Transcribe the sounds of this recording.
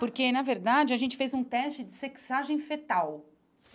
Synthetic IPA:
poɾkenɐveɾd̪ad͡ʒɪɐʒẽnt͡ʃɪ̥fejzũt̪ɛst͡ʃɪd͡ʒɪseksaʒẽj̃fet̪aw

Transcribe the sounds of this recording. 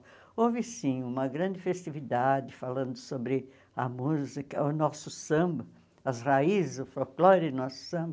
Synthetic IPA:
ovɪsĩũmɐɡɾɐ̃d͡ʒ̪ɪfest̪ivid̪ad͡ʒɪfalɐ̃nd̪ʊsobɾɪ | ɐmuzikɐʊnɔsʊsɐ̃mbɐ | ɐzhaizɪzʊfolklɔɾɪnɔsʊ̥sɐ̃bɐ

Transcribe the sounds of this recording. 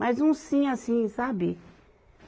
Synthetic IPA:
azũsĩasĩsabɪ

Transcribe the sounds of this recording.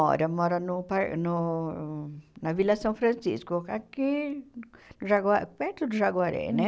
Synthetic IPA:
ɔ̰ɾɐmɔɾɐnʊpaɾnu | navilasɐ̃w̃fɾɐ̃nsḭskoaki | nuʐaɡapɛɾt̪ud̪uʒaɡwaɾḛnɛ

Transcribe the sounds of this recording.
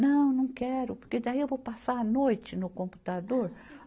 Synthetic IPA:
nɐ̃w̃nɐ̃w̃kɛɾʊpoɾked̪aiewvowpasaɾɐnojt͡ʃɪnʊkõmpu̥t̪ad̪oɾ

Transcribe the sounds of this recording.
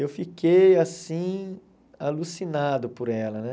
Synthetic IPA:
ewfikejasĩ | alusinad̪ʊpʊɾɛlɐnɛ

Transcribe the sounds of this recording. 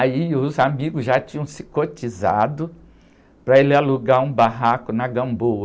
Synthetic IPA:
aiʊzamiɡʊzʒat͡ʃĩɲɐ̃w̃sɪ̥kot͡ʃiza̰d̪ʊ | pɾɐelɪaluɡaũbaɦakʊnɐɡɐ̃mbowɐ

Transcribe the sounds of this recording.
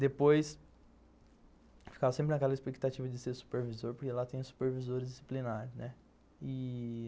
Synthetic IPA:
d̪epojs | fi̥kavɐsẽpɾɪnɐkɛlɐespekt̪at͡ʃivɐd͡ʒɪseɾsu̥peɾvizoɾpoɾkelat̪ẽj̃ʊsu̥peɾvizoɾɪzd͡ʒɪsi̥plinaɾʊnɛ | ɪ

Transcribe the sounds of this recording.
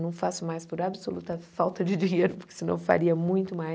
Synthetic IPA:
nɐ̃w̃fasʊmajspoɾabɪsolṵt̪ɐfawt̪ɐd͡ʒɪd͡ʒĩɲejɾʊpoɾkɪ̥sɪnɐ̰̃w̃fa̰ɾiɐmũj̃t̪ʊma

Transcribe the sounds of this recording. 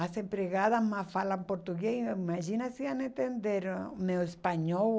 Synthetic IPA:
asempɾeɣaðasmasfalampoɾt̪uɣeimaʒinasianent̪end̪eɾmewespaɲo

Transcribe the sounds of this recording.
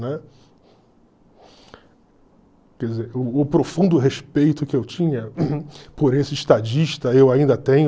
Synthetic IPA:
nɛ | kɛd͡ʒizeɾʊːpɾofũnd̪ʊɦeʃpejt̪ʊkɪewt͡ʃĩɲɐpoɾesɪiʃt̪ad͡ʒiʃt̪ɐewaĩnd̪ɐt̪ẽɲʊ

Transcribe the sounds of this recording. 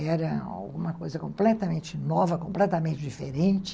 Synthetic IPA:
ɛɾɐa̰wɡũmɐkojzɐkõmplɛt̪ɐmẽnt͡ʃɪnɔvɐkõmplɛt̪ɐmẽnt͡ʃɪd͡ʒifeɾẽnt͡ʃɪ̥

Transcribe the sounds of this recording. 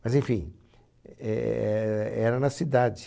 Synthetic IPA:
mɐzẽfḭ̃ | ɛ̰ɛɛɾɐnɐsid̪ad͡ʒɪ

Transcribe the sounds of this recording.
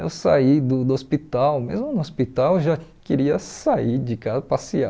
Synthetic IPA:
ḛwsaid̪ʊd̪ʊospit̪awmezmʊnʊospit̪awʒakeɾiɐsaiɾd͡ʒɪkazɐpasia

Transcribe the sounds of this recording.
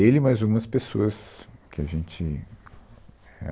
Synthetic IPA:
elɪmajzɡũmɐspesoɐskʰɪaʒẽnt͡ʃɪ | hḛ

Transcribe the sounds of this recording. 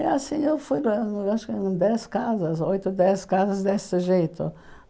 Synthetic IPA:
asĩewfujaʃʊkɪ̃d̪ɛskazɐzojt̪ʊd̪ɛskazɐzd̪est̪ɪʒejt̪ʊ̰

